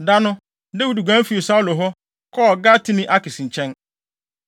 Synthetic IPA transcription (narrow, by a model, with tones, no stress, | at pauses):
da˦nʊ̃˦ | de˦wi˦dɡʷã˨˦fi˨e˨sa˦lʊ˨ɦɔ˦ | kʰɔ˦˨ɡa˦tʰi˦nĩ˦ʔa˦kɪ˨sĩ˨ɲ̩˨t͡ɕʰɛ̃˦n